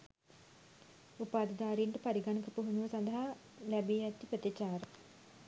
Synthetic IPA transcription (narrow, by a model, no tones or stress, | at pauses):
upaːd̪əd̪aːɾiɳʈəpɐɾiɡanəkəpuɦunuʋəsɐnd̪əɦa | lɛbiɛt̪ːipɾət̪it͡ʃaːɾə